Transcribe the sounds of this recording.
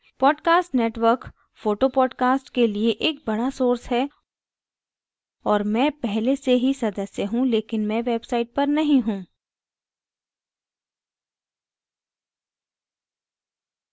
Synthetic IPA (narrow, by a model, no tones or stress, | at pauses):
pɔːɖkaːsʈneːʈʋəɾk | foːʈopɔːɖkaːsʈkelieʔeːk̚bɐɽasoːɾsɦɛ | ɔːɾmɛ̃ːpɛɦleseɦisɐd̪əsjəɦũleːkɪnmɛ̃ʋeːbsaːɪʈ̚pɐɾnɐɦĩɦũː